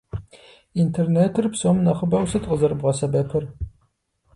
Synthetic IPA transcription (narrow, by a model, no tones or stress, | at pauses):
intʰerneːtʰɨrpsomnɐχəbɐwsɨtʼqʼəzɐɾbʁɐsɐbɐpʰɨr